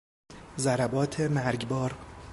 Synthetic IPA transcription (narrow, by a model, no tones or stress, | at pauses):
zæɾæbɒːt̪ʰemæɾɟbɒːɾ